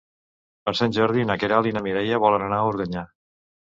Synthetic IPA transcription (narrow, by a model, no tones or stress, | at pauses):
əɾsɛnʲʒəɾðinakeɾalˠinəmiɾɛjəβɔlənənauɾɣəɲa